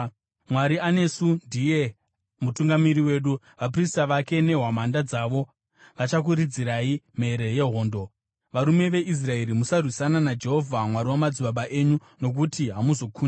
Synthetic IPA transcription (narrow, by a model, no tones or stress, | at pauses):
mwaɾiane̞sundije̞ | mutuŋɡamiɾiwe̞ːɗu | ʋap̬ristaʋake̞ne̞ɦwamandad͡zaːʋo̞ | ʋat͡ʃak̬uɾid͡ziɾaim̤e̞ɾe̞je̞ɦo̞ːndo̞ | ʋaɾume̞ʋe̞ʔis̬rae̞ɾimusarwisananad͡ʒe̞ɦo̞vʱamwaɾiwamad͡ziɓaɓaʔe̞ɲu | no̞k̬utiɦamuzo̞kʰuna